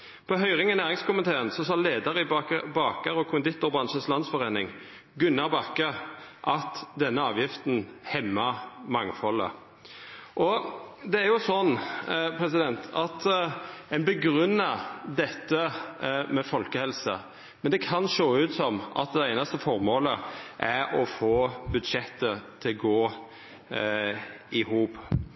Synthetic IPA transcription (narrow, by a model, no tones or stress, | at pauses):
pʰɔɦœʏʁɪŋɑnæːʁɪŋskʰʊmənt̪ʰeːʁənsɔsɑleːd̪əʁəɪbɑːkɑʁɔkʰʊnd̪ɪt̪ːʊʁbʁɑnʃənslɑnsfɔʁeːnɪŋ | ɡʉnːɑʁbɑkːəʔɑt̪d̪ɛnːəɑːʋjɪft̪n̩hɛmːɑmɑŋfɔlə̰ | ʔɔd̪ɛæɾjʊsɔnːpʰɾɛsɪd̪ɛnt̪ʰɑt̪ɛnbəɡɾʉnːɑd̪ɛt̪ːəmɛfɔlkəhɛlsə̰ | mɛnd̪ɛkʰɑnʂoːʉːt̪sɔmʔɑ̰t̪̚d̪ɛæɪnɑst̪əfɔɾmoːləʔæɾɔfoːbʉd̪ʂɛt̪ːət̪ʰɪlɡoː | ɪhuːp